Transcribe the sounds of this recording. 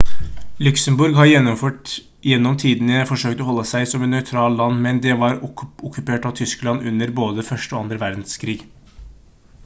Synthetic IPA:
lʉksəmbʊɾɡɦɑɾjɛnːɔmføːʈ | jɛnːɔmt̪ʰiːd̪ənəfɔʂøːkt̪ɔɦɔlːəsæɪsɔmɛnːœʏt̪ʰɾɑːllɑnːmɛnd̪ɛʋɑɾɔkʰːʉpeːʈɑʋt̪ʰʏsklɑnʉnːəɾboːd̪əfœʂʈəɔɑnd̪ɾəʋæɾd̪n̩skʰɾiːɡ

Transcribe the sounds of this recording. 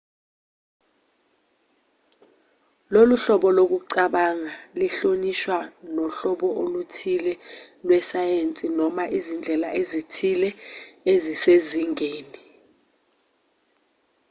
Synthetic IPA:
loluɬɔɓɔlok̬uǀaɓaŋaliɬoniʃwanɔɬɔɓɔʔolutʰilɛ | lwɛsajent͡sʼinɔmaʔizind͡ɮʱɛlaʔezitʰilɛeziseziŋeːni

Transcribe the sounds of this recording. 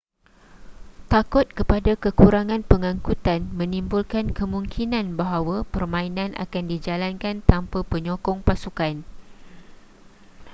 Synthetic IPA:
t̪akʊt̪̚kəpadakəkuɾaŋãnpəŋãŋkut̪anmə̃nimbulkankəmũŋkʰinãnbaɦawapərmãinãnʔa̰kandid͡ʒalankant̪ampapəɲɔ̃kɔŋpasukan

